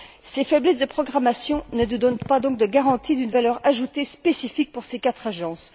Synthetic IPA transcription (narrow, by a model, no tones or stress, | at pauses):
sefɛblɛsd̪əpχɔɡʁamasjɔ̃nənud̪ɔnpad̪ɔ̃k̚d̪əɡaʁɑ̃t̪id̪ynvalœʁaʒut̪espesifik̚puʁsekat̪χaʒɑ̃s